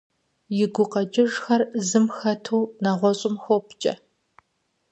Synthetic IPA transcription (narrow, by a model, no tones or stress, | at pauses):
jɪɡʷʊqɐt͡ʃʼɪʒxɐrzɨmxɐtʰuːnɐʁʷɔɕʼɪmxowpʰt͡ʃʼɐ̰